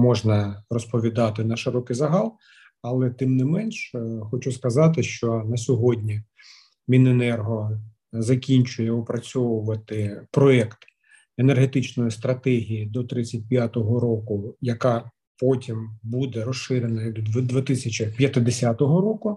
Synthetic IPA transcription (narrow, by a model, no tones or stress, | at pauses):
mɔʒnɐrɔspɔʋʲid̪ɑt̪ɪnɐʃɪɾɔkɪjzɐɦɑlˠ | ɐlˠɛt̪ɪmnɪmɛnʃxɔt͡ʃuskɐzɑt̪ɪʃt͡ʃɔnɐsʲɔɦɔdʲnʲɐ | mʲinenɛrɦɔ | zɐkʲinʲt͡ʃʊjɛʊpɾɐt͡sʲɔwʊʋɐt̪ɪpɾɔɛkt̪ | enerɦet̪ɪt͡ʃnɔjist̪ɾɐt̪ɛɦʲijid̪ɔt̪ɾɪt͡sʲːɐt̚ʲpʲjat̪ɔɦɔɾɔkʊjɐkɑ | pɔtʲimbud̪ɛɾɔsʃɪɾʲenɐjɐɡd̪d̪d̪ʋʲɪt̪ɪsʲɐt͡ʃɪpʲjɐt̪ɪd̪esʲat̪ɔɦɔɾoɔkʊ